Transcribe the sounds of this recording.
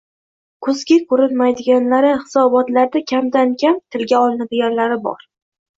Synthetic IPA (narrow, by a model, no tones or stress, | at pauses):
kʰɵzɡʲɪkʰɵɾɪlmajd̪ɪɡʲanlaɾɪhɪsɒbɒt̪laɾd̪akʲʰamd̪ankʲʰamt̪ʰɪlɡʲaɒlˠɪnad̪ɪɡʲanlaɾɪbɒ̰ɾ